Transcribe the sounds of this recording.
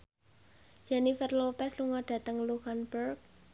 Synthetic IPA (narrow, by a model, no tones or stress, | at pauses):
d͡ʒ̥ɛnifərlopɛsluŋɔɖ̥ä̤t̪əŋluhanburk̚